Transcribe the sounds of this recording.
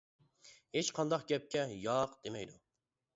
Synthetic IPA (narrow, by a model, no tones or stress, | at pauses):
het͡ʃqʰɑnd̪ɑqɡʲɛp̚kʲʰɛjɑːqd̪̥emɛjd̪u